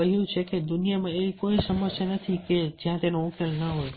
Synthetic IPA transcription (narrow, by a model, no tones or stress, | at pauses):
əɦjũt͡ʃʰeked̪unijamãeʋikoisəməsjanət̪ʰiked͡ʒjãt̪enõʊkelnəɦoj